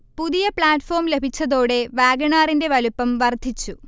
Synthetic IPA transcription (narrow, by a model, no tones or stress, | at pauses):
puðijɐpɭaːʈfo̞ːmle̞bʱit͡ɕːɐðo̞ːɽe̞ʋaːɡɐɳaːrinde̞ʋɐlupːɐmʋɐrd̪ʱit͡ɕːu